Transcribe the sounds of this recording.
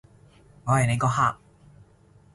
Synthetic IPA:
ŋɔː˨˧hɐ˨jne˨˧jkɔː˧ɦa̰ː˧k̚

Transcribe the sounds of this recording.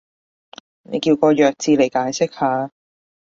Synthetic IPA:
nḛ˨˧jkiː˧wkɔː˧jœː˨k̚t͡siː˧le˨˩jkaː˨˥jsɪ˥k̚haː˨˧

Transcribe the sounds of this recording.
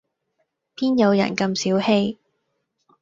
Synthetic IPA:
pʰiː˥njɐ˨˧wjɐ̰˨˩nkɐ˧msiː˨˥whe˥j

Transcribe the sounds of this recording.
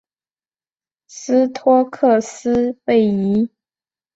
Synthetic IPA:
sɹ̩˥t̪ʰwɔ˥kʰɤ˥˩sɹ̩˥pe˥˩ɪi˧˥

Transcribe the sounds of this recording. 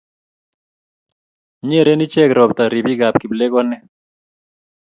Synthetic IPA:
ɲe˦˨ɾe˦ni˦t͡ʃɛ˦kɾɔ˨bt̪a˨ɾi˨bi˦ɡa˨pki˨ble˦ɡɔ˦nɛ˦

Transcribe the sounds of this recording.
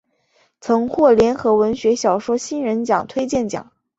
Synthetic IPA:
t͡sʰɤ˧˥ŋxwɔ˥˩ljɛ˧˥nxɤ˧˥wə˧˥nɕɥɛ˧˥ɕjɑ˨˩ʊʂwɔ˥ɕi˥nɻə˧˥nt͡ɕjɑ̰˨˩ŋt̪ʰwe˥ɪt͡ɕjɛ˥˩nt͡ɕjɑ̰˨˩˦ŋ

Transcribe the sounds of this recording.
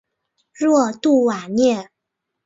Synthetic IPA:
ɻwɔ˥˧t̪u˥˩wa˨˩njɛ˥˩

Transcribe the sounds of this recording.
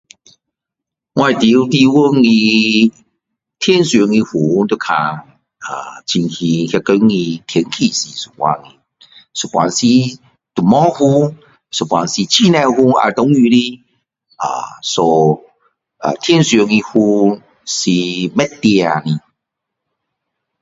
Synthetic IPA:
ŋwã˧i˨t̪i˧˦˧t̪i˧wo˦ŋĩ˧ | t̪ʰje˦nsjo˨˧˦ŋĩ˧hu˨˦t̪o˧kʰa˧ | a˨˩t͡ɕi˧ŋhi˧hja˧ko˧˦jŋĩ˧t̪ʰjɛ˨˧˦ŋkʰi˧˨si˨su̥˨˩wa̰˧˦ŋĩ˧ | su˨˩pwa̰˨˦nsi˧ | t̪u˨˩mɔ˦hu˧ | su˨˩pwa̰˨˧nsi˧t͡ɕʰi˦˧˦nã˧hu˧a̰˧t̪ɔ˨˦ŋy˧li˦ | a̰˨˩so˧ | a̰˨t̪ʰjɛ˦nsjo˨˧ŋĩ˧hu˧ | si˧mɛ˦t̪e˧a˨nĩ˧

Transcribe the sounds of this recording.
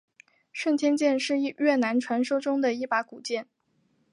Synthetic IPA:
ʂə˥˩nt̪ʰjɛ˥nt͡ɕjɛ˥˧nʂɻ̩˥˧i˥˧ɥɛ˥˩na˧˥nʈ͡ʂʰwa˧˥nʂo˥ʊʈ͡ʂʊ˥ŋd̪ə˨i˥˩pa˧˥ku˨˩t͡ɕjɛ˥˩n

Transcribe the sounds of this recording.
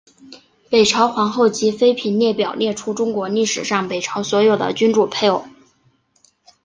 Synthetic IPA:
pe˨˩ɪʈ͡ʂʰɑ˧˥ʊxwɑ˧˥ŋxo˥˩ʊt͡ɕi˧˥fe˥ɪpʰi˧˥nnjɛ˥˩pjɑ˨˩ʊnjɛ˥˩ʈ͡ʂʰu˥ʈ͡ʂʊ˥ŋkwɔ˧˥li˥˩ʂɻ̩˨˩ʂɑ˥˩ŋpe˨˩ɪʈ͡ʂʰɑ˧˥ʊswɔ˧˥jo˨˩d̪ə̰˦t͡ɕy˥nʈ͡ʂu˥˩pʰe˥˧ɪ˥˨˩

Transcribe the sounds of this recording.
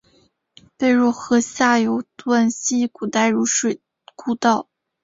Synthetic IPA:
pe˥˧ɪɻwɔ˥˩xɤ˧˥ɕja˥˩jo˧˥ʊt̪wa˥˩nɕi˥ku˨˩t̪a˥˩ɪɻu˧˥ʂwe˥˩ɪ | ku˥˧t̪ɑ˥˩ʊ

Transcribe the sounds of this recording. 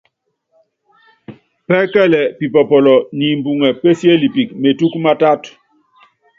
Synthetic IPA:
pɛ˦kɛ˦˨lɛ˨pi˨pɔ˨pɔ˨lɔ˨ni˨mbu˨ŋɛ˨pe˦sje˦li˨pi˨kme˨tu˦kma˦ta˦t

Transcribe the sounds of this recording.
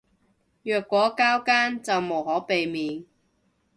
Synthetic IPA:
jœː˨kʷːɔː˨˥kaː˥wkaː˥nt͡sɐ˨wmo˨˩whɔː˨˥pe˨jmiː˨˧n

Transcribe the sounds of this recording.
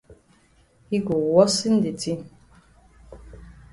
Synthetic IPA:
i˦ɡo˨wɔ˦si˦n̩˦di˨ti˦

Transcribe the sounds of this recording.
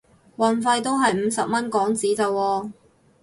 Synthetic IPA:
wɐ˨nfɐ˧jt̪o˥wɦɐ˨jm̩˨˧sɐ˨p̚mɐ˥nkɔː˨˥ŋt͡siː˨˥t͡sɐ˨wɔː˧

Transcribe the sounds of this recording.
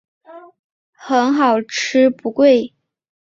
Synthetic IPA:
xə˧˥nxɑ˨˩ʊʈ͡ʂ̩ʰ˥pu˧˥kwe˥˩ɪ

